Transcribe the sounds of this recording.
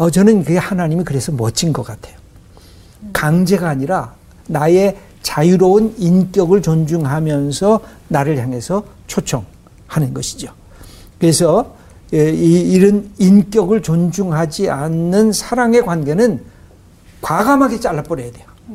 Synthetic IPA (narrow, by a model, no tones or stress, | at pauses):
ʌt͡ɕʌnɯnkɯehanaɲimikɯɾe̞sʰʌmʌt͡ɕʰinɡʌk͈atʰe̞̥jo̥ | kaŋd͡ʑe̞ɡaːɲiɾa | naje̞ | t͡ɕajuɾʌunink͈jʌɡɯɭt͡ɕond͡ʑuŋɦamjʌnsʰʌ | naɾɯɭçjaŋɦe̞sʰʌt͡ɕʰot͡ɕʰʌŋ | hanɯnɡʌɕʰi̥d͡ʑo | kɯɾe̞sʰʌ | ɾɯnink͈jʌɡɯɭt͡ɕond͡ʑuŋɦad͡ʑianːɯnsʰaɾaŋe̞kwanɡe̞nɯn | kwaɡamɦaɡe̞t͡ɕ͈aɭːap͈ʌɾejadwe̞jo